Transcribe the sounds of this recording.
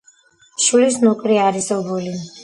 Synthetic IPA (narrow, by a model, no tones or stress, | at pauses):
ʃulisnukʼɾiaɾisɛbuli